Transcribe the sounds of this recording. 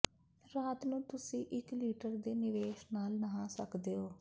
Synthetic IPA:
ɾaːt̪nũːt̪ʊsĩːʔɪkliːʈəɾd̪eːnɪʋeːʃnaːlnəɦãːsəkd̪eːoː

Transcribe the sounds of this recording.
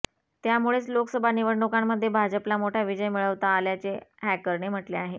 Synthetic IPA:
t̪jamuɭet͡slokəsəbʱaniʋəɽɳukamːəd̪ʱːjebʱad͡ʑəplamoʈʰjaʋid͡ʑəjmiɭəʋt̪aːljat͡sehækəɾɳem̤əʈleaɦe

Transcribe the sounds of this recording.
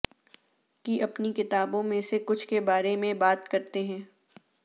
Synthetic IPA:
kiʔɐpnikɪt̪aːbõmẽsekʊt͡ʃʰkebaːɾemẽbaːt̪kɐɾt̪eɦɛ̃ː

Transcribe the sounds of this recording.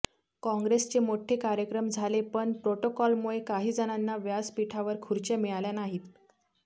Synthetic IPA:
kɔ̃ŋɡɾest͡ɕemoʈʰekaɾjəkɾəmd͡zʱalepəɳpɾoʈokɔlmuɭekaɦiːd͡zəɽ̃anːaʋjad͡zpiʈʰaʋəɾkʰuɾt͡ɕemiɭaljanaɦiːt̪

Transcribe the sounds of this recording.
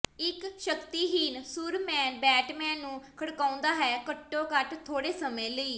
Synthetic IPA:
ɪkʃəkt̪iːɦiːnsʊɾmɛːnbɛːʈmɛ̃ːnːũːkʰəɽkaːʊ̃nd̪aːɦɛːkəʈːõːkəʈt̪ʰːoːɽeːsəmẽːləiː

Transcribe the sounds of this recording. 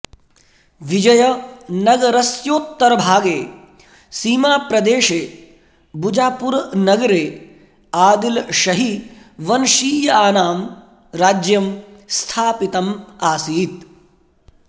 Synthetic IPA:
ʋid͡ʒɐjɐnɐɡɐɾɐsjoːt̪ːɐɾɐbʱaːɡeː | siːmaːpɾɐd̪eːʃeː | bud͡ʒaːpuɾnɐɡɐɾeː | aːd̪ilʃɐɦiʋɐnʃiːjɐaːnaːm | ɾaːd͡ʒjɐmst̪ʰaːpit̪ɐmaːsiːt̪

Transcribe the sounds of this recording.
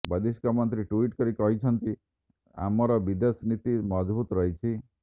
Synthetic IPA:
bəd̪iskɔmɔnt̪ɾiʈuiʈkɔɾikɔɦit͡ʃʰɔnt̪i | a̰mɔɾɔbid̪esnit̪imɔd͡ʒbut̪ɔɾɔɦit͡ʃʰi

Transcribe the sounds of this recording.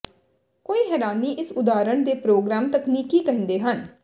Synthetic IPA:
koːiːɦɛːɾaːniːʔɪsʊd̪aːɾəɳd̪eːpɾoːɡɾaːmt̪əkniːkiːkəɦə̃nd̪eːɦən

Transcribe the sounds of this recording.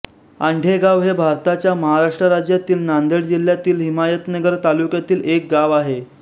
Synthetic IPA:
aɳɖʱeɡaʋɦebʱaɾt̪at͡ɕjaməɦaɾaʂʈɾəɾad͡ʑjat̪iːlnand̪eɽd͡ʑil̤jat̪iːlɦimajət̪nəɡəɾt̪alukjat̪iːlek̚ɡaʋaɦe

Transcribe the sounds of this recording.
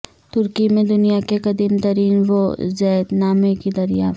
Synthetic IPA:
t̪ʊɾkimẽd̪ʊnijakeqɐd̪iːmt̪ɐɾiːnʋozɛːd̪naːmẽkid̪ɐɾijaː

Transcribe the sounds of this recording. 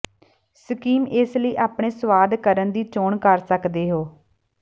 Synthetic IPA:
səkiːmɪsləiːʔaːpɳ̃eːsəʋaːd̪kəɾənd̪iːt͡ʃoːɳkəɾsəkd̪eːɦoː

